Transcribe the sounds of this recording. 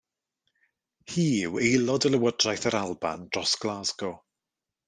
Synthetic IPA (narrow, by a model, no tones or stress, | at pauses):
hiːɪwejlˠɔdəlˠəwɔdrajθəɾalˠba̰nd̥rɔsɡ̥lˠaːzɡɔ